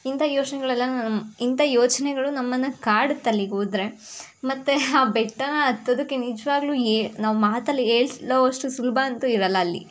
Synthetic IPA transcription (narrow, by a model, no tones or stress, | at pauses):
int̪ɐjoːt͡ʃnɛɡɐɭɐlːɐint̪ɐjoːt͡ʃɐnɛɡɐɭunɐmːɐnːɐkaːɽut̪ːɐlːiɦuːd̪ɾe̞mɐt̪ːeaːbɛʈːɐnɐːt̪ːod̪ɐkːenid͡ʒɐʋaːɡluːenaːʋumaːt̪ɐlːiɦeːɭsloːʋɐʂʈusulbʱɐɐnt̪uiɾɐlːɐːlːḭ